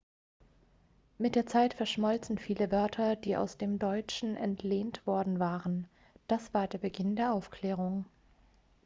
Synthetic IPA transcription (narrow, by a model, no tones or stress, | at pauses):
mɪt̚d̥eːɐt͡saɪtfɛɐʃmɔlt͡sn̩fiːləvœɐtʰɐd̥iːʔa̰ʊsd̥eːmdɔʏt͡ʃn̩ʔɛntʰleːntv̥ɔɐdn̩vaːʁən | d̥asv̥aːɐdeːɐbəɡɪndeːɐʔaʊfkʰl̥eːʁ̞ʊŋ